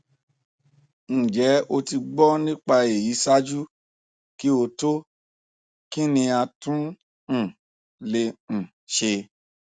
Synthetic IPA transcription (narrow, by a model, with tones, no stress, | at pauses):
ñ̩˨d͡ʒɛ˨˦o˧ti˧ɡ͡bɔ˦nĩ˦k͡pa˧e˨ji˨˦sa˦d͡ʒu˦ | ki˦o˧to˦ | ki˦nĩ˧a˧tũ˦ | ñ̩˨ | le˧ñ̩˨ | ʃe˧